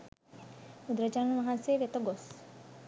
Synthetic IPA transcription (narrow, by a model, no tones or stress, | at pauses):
ud̪ɾad͡ʒanmaɦanseʋet̪oɡos